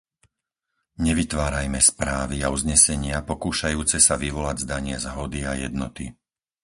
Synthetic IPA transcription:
ɲɛʋit̪ʋaːɾajmɛspɾaːʋiauzɲɛsɛɲɪapɔkuːʃajuːt͡sɛsaʋiʋɔlaɟzd̪aɲɪɛzɦɔd̪iajɛ̰d̪nɔt̪i

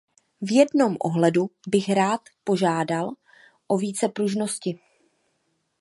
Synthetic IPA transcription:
vjɛdno̞mʔo̰ɦlɛdubɪxɾaːt̪po̞ʒaːdal | ʔo̞viːt͡sɛpɾuʒno̞scɪ

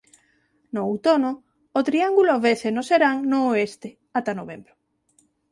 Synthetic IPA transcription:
noːwt̪onoː | t̪ɾiaŋɡuloβesenoseɾaŋnoːest̪ɪ | at̪anoβembɾʊ

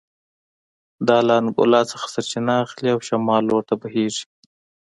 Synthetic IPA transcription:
d̪ɑlɑːnɡʊ̰lɑt͡səxḁsaɾt͡ʃɪnaːxliawʃamɑːlwoɾt̪abaɦeʐi̥

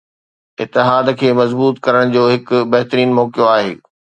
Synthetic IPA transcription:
ɪt̪ɪɦaːd̪kʰeːmɐzbuːt̪kɐɾəɽ̃d͡ʑoːɦɪkʊbɐɦt̪ɾiːnmɔːkjoaːɦḛː

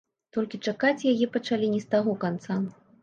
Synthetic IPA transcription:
t̪ɔlʲkʲit͡ʂakat͡sʲjajɛpɐt͡ʂalʲinʲɛst̪aɣɔkant̪sa

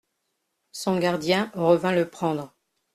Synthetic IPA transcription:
sɔ̃ɡaʁd̪jɛ̃ʁəvɛ̃ləpχɑ̃d̪ʁ

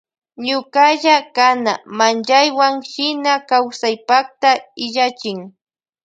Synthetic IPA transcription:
ɲʊkaʎakanamanʎajwaŋʃɪnakawsajpakt̪aɪʎat͡ʃɪŋ

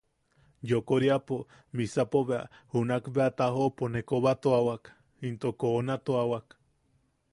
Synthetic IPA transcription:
jokoɾiapo | misapoβea̰hunakbeat̪aɦoponekoβat̪oawak | int̪okonat̪oawak

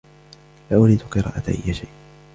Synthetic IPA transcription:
laːʔʊɾiːd̪ʊqɨɾˤɑ̰ːʔaʔa̰jːaʃajʔ

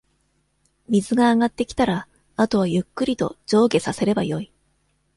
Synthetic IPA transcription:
mʲizɨɡaːɡat̪ːe̞kʲi̥t̪aɾa | at̪o̞βajɯ̟kːɯ̟ɾʲit̪o̞̰d͡ʑo̞ːɡe̞sase̞ɾe̞bajo̞i

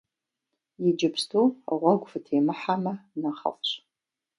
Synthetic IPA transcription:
jɪd͡ʒɪpstʰuːʁʷɑɡʷfɨtʰejmɨħamɐnɐχɐ̰fɕ

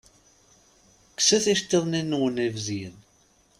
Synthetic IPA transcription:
ksæθiʃt̪ːeðˤninːwənivzin

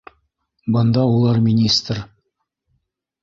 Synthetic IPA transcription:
bənd̪ɑwolˠɑɾmʲinʲist̪r

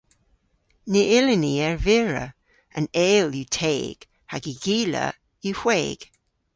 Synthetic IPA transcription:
niʔɪlɪniɛɹvɪɹə̰ | ʔə̰nɛːljitʰeːɡ̥ | haɡiɡ̥iːlə̰ | ihweːɡ̥

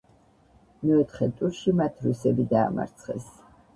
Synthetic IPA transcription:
mɛɔt̪ʰχɛt̪ʼuɾʃimat̪ʰɾusɛbid̪aːma̰ɾt̪sʰχɛ̰s

